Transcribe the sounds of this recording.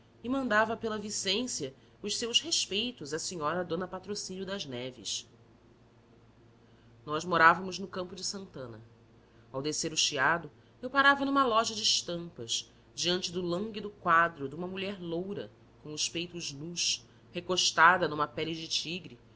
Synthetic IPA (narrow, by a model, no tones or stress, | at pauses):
ɪmɐ̃nd̪avɐpelɐvisẽsjɐ | ʊʃsewsheʃpejt̪ʊzɐsiɲɔɾɐd̪õnɐpat̪ɾosĩnjʊd̪ɐznɛvɪ̰ʃ | nɔzmoɾavɐmʊznʊkɐ̃mpʊd͡ʒɪsɐ̃nt̪ɐ̃nɐ̰ | awd̪eseɾʊʃiad̪ʊ | ewpaɾavɐnũmɐlɔʒɐd͡ʒɪʃt̪ɐ̃mpɐs | d͡ʒiɐ̃nt͡ʃɪd̪ʊlɐ̃ŋɡid̪ʊkwad̪ɾʊd̪ũmɐmuʎɛɾlowɾɐ̰ | kõw̃ʊʃpejt̪ʊʒnuʃ | hekoʃt̪ad̪ɐnũmɐpɛlid͡ʒɪt͡ʃiɡɾi